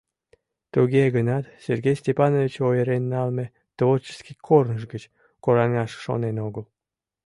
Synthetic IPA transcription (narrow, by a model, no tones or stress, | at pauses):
t̪uɣeɣənɑt̪serɡejsʲt̪ʲepɑnovit͡ɕojeɾenːɑlme | t̪ovort͡ɕə̥skikʰornəʃ̬ɡət͡ɕ | koɾɑnɑʃʃo̰nenoɣəl